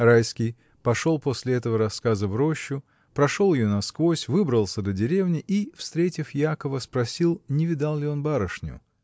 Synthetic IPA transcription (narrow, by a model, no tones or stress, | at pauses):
rajskʲɪj | pɐʂo̞lˠpo̞sʲlʲɪɛt̪əvəɾɐskazəvɾo̞ɕːʊ | pɾɐʂo̞lˠjɪjonɐskvo̞sʲvɨbɾəlˠsʲəd̪ədʲɪɾʲe̞vnʲɪʔifst̪ɾʲetʲɪfjakəvəspɾɐsʲilˠnʲɪvʲɪd̪alˠlʲɪo̞nbaɾəʂnʲʊ̰